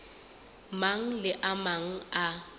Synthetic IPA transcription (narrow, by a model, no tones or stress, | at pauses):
maŋ̩lɪʔamaŋ̩a